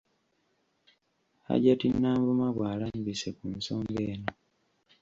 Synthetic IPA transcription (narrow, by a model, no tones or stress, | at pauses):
a̰ɟatinːaːmbumaβwaːlaːmbisekunsoːŋɡe̞ːno